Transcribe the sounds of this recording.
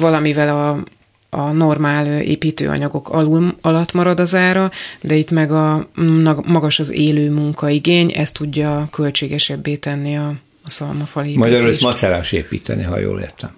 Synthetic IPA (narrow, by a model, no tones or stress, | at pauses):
vɒlɒmivɛlɒː | no̞rmaːløḛːpiːt̪ø̰ːɒ̰ɲɒɡo̞kʰɒlulɒlɒt̪ːmɒɾɒd̪ɒzaːɾɒd̪ɛit̪mɛɡɒnmɒɡɒʃɒzeːløːmuŋkɒiɡeːɲɛ̰st̪uɟːɒkø̞lt͡ʃeːɡɛʃɛbːeːt̪ɛnːiɒː | sɒlmɒfɒleːmɒjɒɾsmɒsɛɾaːʃeːpiːt̪ʰɛniɦɒ̰jo̰ːlḛːrt̪ɛm